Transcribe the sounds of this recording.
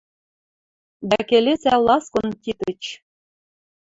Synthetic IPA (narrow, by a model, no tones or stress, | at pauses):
bækelʲet͡sæwlɑskŏnt̪ʲit̪ɘ̆t͡ɕ